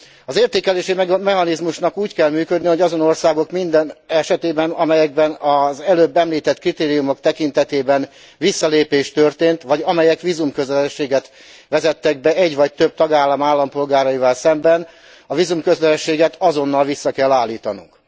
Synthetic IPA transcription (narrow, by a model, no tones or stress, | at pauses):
ɒzeːrt̪eːkɛleːʃimɛɦɒnizmuʃnɒkuːckɛlmyːkø̞d̪niho̞ɟɒzo̞no̞rsaːɡo̞kmind̪ɛnɛʃɛt̪eːbɛnɒmɛjɛɡ̚bɛnɒzɛløːbːɛmliːt̪ɛt̪krit̪eːɾijumo̞kt̪ɛkint̪ɛt̪eːbɛn | ʋisːɒleːpeːʃt̪ørt̪eːnt̪ʋɒɟɒmɛjɛkʋizumkøzɛlɛʃːeːɡɛt̪ | ʋɛzɛt̪ːɛɡ̚bɛɛɟʋɒc̚t̪øb̚t̪ɒɡaːlːɒmaːlːɒmpo̞lɡaːɾɒjivɛlsɛmbɛn | ɒvizumkøzlɛɛʃːeːɡɛt̪ɒzo̞nːɒlʋisːɒkɛlːaːlːiːt̪ɒnṵŋk